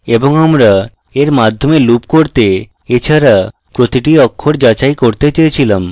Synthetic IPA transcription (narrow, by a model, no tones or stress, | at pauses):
eboŋamɾa | eɾmad̪ʱːomelupkoɾt̪e | et͡ɕʰaɾa | pɾot̪iʈiɔkʰːoɾd͡ʑat͡ɕajkoɾt̪et͡ɕejet͡ɕʰilam